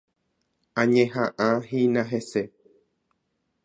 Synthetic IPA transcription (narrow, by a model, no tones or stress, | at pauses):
ãɲẽɦãʔãɦĩnãɦese